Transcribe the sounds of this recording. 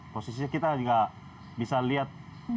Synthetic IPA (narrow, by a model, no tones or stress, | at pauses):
posis̬ikit̪ad͡ʒiɡa | bisaliat̪̚